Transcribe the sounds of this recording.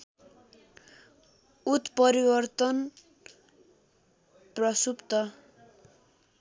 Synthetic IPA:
ut̪pʌɾibʌrt̪ʌn | prʌsupt̪ʌ

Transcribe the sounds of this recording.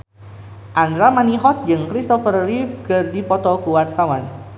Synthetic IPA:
ʔand̪ɾamaniɦɔt̪̚d͡ʒɨŋkɾist̪ɔfərlifkɨrdifɔt̪ɔkəwart̪awan

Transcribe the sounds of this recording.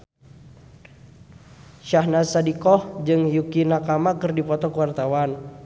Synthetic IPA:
ʃahnasadikɔhd͡ʒɨŋjukinakamakɨrdipɔt̪ɔkəwart̪awan

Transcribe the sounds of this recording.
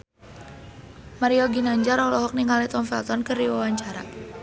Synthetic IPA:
maɾiɔɡinaɲd͡ʒaɾɔlɔɦɔk̚niŋalit̪ɔnfɛlt̪ɔnkəriwawaɲt͡ʃaɾa̰

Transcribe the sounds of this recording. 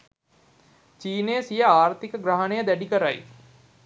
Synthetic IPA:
t͡ʃiːnejəsijəaːrt̪ikəɡɾaɦɐnejəd̪æɖikəɾaj

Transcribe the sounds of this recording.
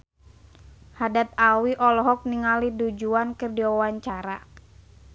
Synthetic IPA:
hadat̪̚awiʔɔlɔɦɔk̚niŋalidud͡ʒuankərdiwawaɲt͡ʃaɾa

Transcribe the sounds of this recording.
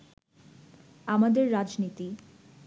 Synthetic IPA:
amad̪eɾːad͡ʑnit̪i

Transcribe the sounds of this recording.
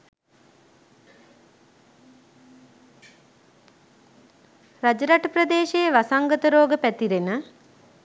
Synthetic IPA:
rad͡ʒəɾaʈəprəd̪eːʃejəʋasaŋɡət̪əɾoːɡəpæt̪iɾenə

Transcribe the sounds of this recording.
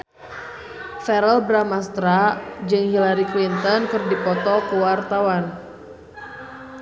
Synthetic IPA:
fɛɾəlbɾamast̪ɾad͡ʒɨŋhilaɾiklint̪ɔnkɨrdipɔt̪ɔkəwart̪awan

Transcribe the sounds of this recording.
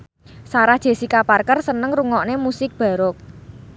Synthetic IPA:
saɾḁʒ̥e̤sikaparkərsənəŋruŋɔʔnemusɪk̚b̥a̤ɾʊk̚

